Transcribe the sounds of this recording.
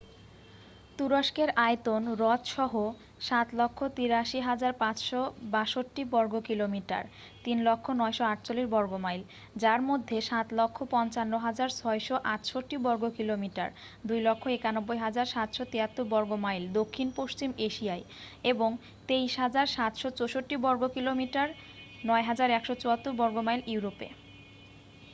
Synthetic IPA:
t̪uɾoʃkeɾaet̪onɾɔt̪ʃɔɦo | ʃat̪lɔkʰːot̪iɾaʃiɦad͡ʑaɾpãt͡ɕʃɔbaʃoʈːibɔɾɡokilomiʈa̰ɾ | t̪inlɔkʰːonɔeʃoaʈt͡ɕolːiʃbɔɾɡomajl | d͡ʑaɾmod̪ʱːeʃat̪lɔkʰːopɔnt͡ɕanːoɦad͡ʑaɾt͡ɕʰɔeʃɔʔaʈʃoʈːibɔɾɡokilomiʈa̰ɾ | d̪ujlɔkʰːoekanobːojɦad͡ʑaɾʃat̪ʃɔt̪eat̪ːuɾbɔɾɡomajld̪okʰːinpoʃt͡ɕimeʃiae | eboŋ | t̪ejʃɦad͡ʑaɾʃat̪ʃɔt͡ɕoʃoʈːibɔɾɡokilomiʈaɾ | nɔeɦad͡ʑaɾɛkʃɔt͡ɕoat̪ːuɾbɔɾɡomajlʔiwɾopḛ

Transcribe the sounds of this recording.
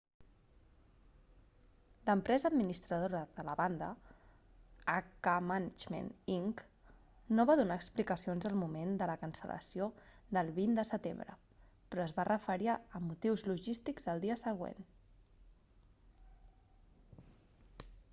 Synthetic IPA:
ləmpɾɛzəːd̪minist̪ɾəð̞oɾəðələβand̪ə̰ | akəmənəd͡ʒmḛniŋk | noβaðunaəksplikəsionzəlˠmumend̪ələkənsə̰lə̰siod̪əlˠβind̪əsət̪ḛmbɾə̰ | pɾɔəzβarəfəɾiaəmːut̪iwzluʒist̪iɡz̥ðəlˠd̪iəsəɣ̞wḛn

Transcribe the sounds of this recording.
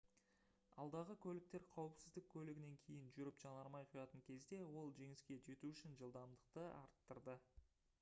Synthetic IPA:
ɑ̰lˠd̪ɑʁəkʲʰɵlɪk̚t̪e̞ɾqʰɑwəpsɪzd̪ɪk̚ʲʰːɵlɪɡʲɪne̞ŋkʲʰe̞jɪnʒʏɾɪpʒ̥ɑnəɑɾmɑjqʰojɑt̪əŋkʲʰe̞zd̪e̞wo̞lˠʒe̞ŋɪskʲe̞d͡ʒe̞t̪uʏʃɪnʒəlˠd̪ɑmd̪əq̚t̪əɑ̰ɾt̪ːəɾd̪ə

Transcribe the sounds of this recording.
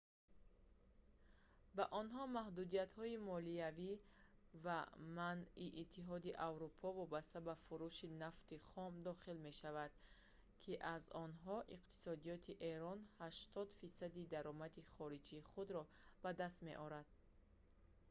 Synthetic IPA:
baʔɔnɦɔmahd̪ud̪ijat̪hɔimɔliavivamaniʔːt̪ʰːiɦɔd̪iʔavɾupʰɔvɔbast̪abafuɾuʃinaft̪iχɔmd̪ɔχilme̞ʃavad̪̥ | kʰiʔazɔnɦɔʔiqt̪ʰi̥sɔd̪ijɔt̪ʰiʔe̞ɾɔnhaʃt̪ɔd̪fisad̪id̪aɾɔmad̪iχɔɾid͡ʒiːχud̪ɾɔb̥ad̪ast̪me̞̰ʔɔɾad̪̥̚

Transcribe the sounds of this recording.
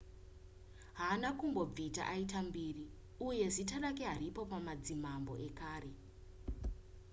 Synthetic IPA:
ɦaːnakumbo̞b͡vita̰ʔaitambiːri | uje̞zitaɗakeɦaɾipo̞pamad͡zimambo̞̰ʔe̞kaːɾe̞

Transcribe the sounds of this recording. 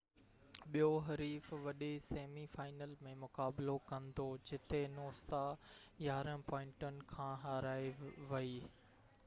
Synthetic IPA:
ɓijoɦɐɾiːfʋɐɗeseːmifaːɪnəlmẽmʊkaːblokɐ̃nd̪od͡ʑɪt̪enoːst̪ajaːɾə̃pɔ̃ːɪ̃ɳʈənɪ̆kʰãːɦaːɾaːeʋɐiː

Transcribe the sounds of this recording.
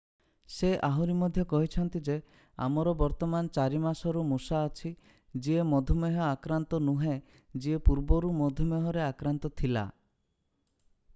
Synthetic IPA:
seʔaɦuɾimɔd̪ʱjɔkɔɦit͡ʃʰɔnt̪id͡ʒe | a̰mɔɾɔbɔɾt̪ɔmant͡ʃaɾimasɔɾumusaːt͡ʃʰi | d͡ʒiemɔd̪ʱɔmeɦɔakɾant̪ɔnuɦẽ | d͡ʒiepuɾbɔɾumɔd̪ʱɔmeɦɔɾeakɾant̪ɔt̪ʰila̰

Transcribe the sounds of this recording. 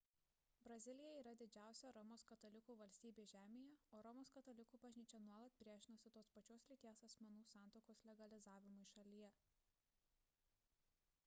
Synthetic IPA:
bɾɐzʲɪlʲɪjɛiːɾɐd̪ʲɪd͡ʒʲæˑʊsʲɛɾɔmoːskɐt̪ɔlʲɪkuːʋɐlʲsʲt̪ʲiːbʲeːʒʲæːmʲejɛoːɾɔmoːskɐt̪ɔlʲɪkuːbɐʒʲnʲiːt͡ʃʲɛnuɔlˠɐt̪̚pʲɾʲiɛʒʲɪnoːsʲɪt̪oːspɐt͡ʃʲoːslʲɪt̪ʲeːɛsɐsʲmʲɛnuːsɑˑnt̪oʊkoːslʲɛɡɐlʲɪzɑːʋʲɪmʊɪʃɐlʲijɛ

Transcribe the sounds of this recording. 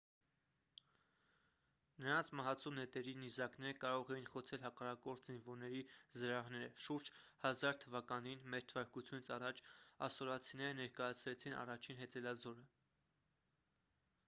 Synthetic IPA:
nəɾɑnt͡sʰmɑɦɑt͡sʰunɛt̪ɛɾinizɑknɛɾəkɑɾɔʁɛjinχɔt͡sʰɛlɦɑkɑrɑkɔɾt̪ʰzinvɔɾnɛɾizəɾɑɦnɛɾəʃuɾd͡ʒhɑzɑɾt̪ʰəvɑkɑninmɛɾt̪ʰəvɑɾkut͡sʰjunit͡sʰɑrɑt͡ʃʰɑ̰sɔlɑt͡sʰinɛɾənɛɾkɑjɑt͡sʰɾɛt͡sʰinɑ̰rɑt͡ʃʰinɦɛt͡sɛlɑzɔɾə

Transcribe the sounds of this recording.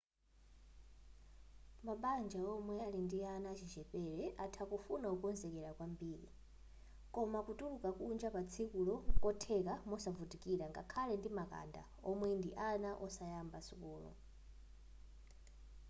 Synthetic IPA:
maɓand͡ʒaɔmwɛalindianat͡ʃʰit͡ʃɛpɛɾɛʔatʰakufunaukɔnzɛkɛɾakwambiːɾḭ | kɔmakutʼulukakund͡ʒapat͡sʰikulɔkɔtʰɛkamɔsavutikiɾaŋɡa̰kʰalɛndimaka̰nda̰ | ɔmwɛndiʔanaʔɔsajambasukuːlɔ̰

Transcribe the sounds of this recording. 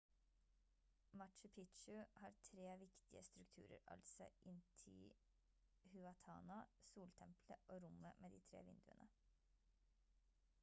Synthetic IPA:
mɑʈʃʉpʰɪt̪ʃʉhɑːɾt̪ʰɾeːʋɪkt̪ɪəst̪ɾʉkt̪ʰʉ̰ːɾə̰ɾʔɑ̰lsɔ̰ʔɪnt̪ʰɪ̰ | hʉɑt̪ʰɑ̰ːnɑsuːlt̪ʰɛmpləʔoːɾʊməmʔeːd̪iːt̪ʰɾḛːʋɪ̰nd̪ʉənʔə

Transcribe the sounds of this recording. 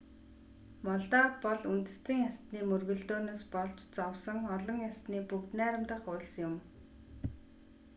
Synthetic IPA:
mɔɮt̪ɔːt̪̚pɔɮunt̪ɘ̆st̪ĭːŋast̪niːmɵrɣɵ̆ɮt̪oːneːspɔɮt͡ɕt͡sɔwsɞ̆ŋɔɮɞ̆ŋjast̪niːpukt̪næːɾə̆mt̪ə̆χʊːɮsjʊm

